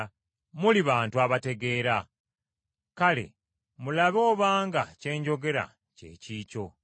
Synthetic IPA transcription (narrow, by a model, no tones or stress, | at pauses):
muliβaːntuaβate̞ɡe̞ːɾa | kale̞̰ | mulaβo̞ːβaːŋɡa̰ce̞ːɲɟo̞ɡe̞ɾa̰ | ce̞̰ːciːco̞